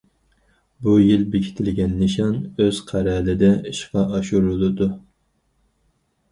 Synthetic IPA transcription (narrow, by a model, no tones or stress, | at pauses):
bujilbekʲʰi̥t̪ʰɪlɡʲɛnːɪʃɑnøz̥qʰæɾɛlɪd̪ɛiʃqɑʔɑʃuɾulˠɨd̪u